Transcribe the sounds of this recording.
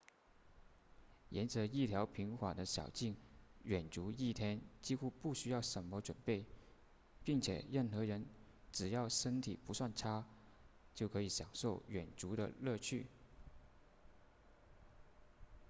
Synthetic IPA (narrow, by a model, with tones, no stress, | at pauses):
jɛ˧˥nt͡sɤ˧˥i˥˩t̪ʰjɑ˧˥ʊpʰi˧˥ŋxwa̰˨˩d̪ə˦ɕjɑ̰˨˩ʊt͡ɕi˥˩ŋɥɛ˨˩nt͡su˧˥i˥˩t̪ʰjɛ˥nt͡ɕi˥xu˥pu˥˩ɕy˥jɑ˥˩ʊʂə˧˥nmə˧˦ʈ͡ʂwə˨˩npe˥˩ɪ | pi˥˩ŋt͡ɕʰjɛ̰˨˩ɻə˥˩nxɤ˧˥ɻə˧˥n | ʈ͡ʂɻ̩˨˩jɑ˥˩ʊʂə˥nt̪ʰi˨˩pu˧˥swa˥˩nʈ͡ʂʰa˥ | t͡ɕjo˥˩ʊkʰɤ˧˥i˧˩˥ɕjɑ˨˩ŋʂo˥˩ʊɥɛ˨˩nʈ͡ʂu˧˥d̪ə̰˧lɤ˥˧t͡ɕʰy˥˩